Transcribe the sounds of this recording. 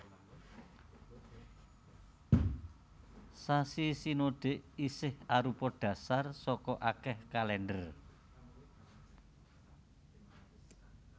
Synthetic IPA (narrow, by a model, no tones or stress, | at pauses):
sasisinoɖ̪̥e̤ʔisɪhaɾupɔɖ̥a̤sarsɔkɔʔakɛhkalɛndər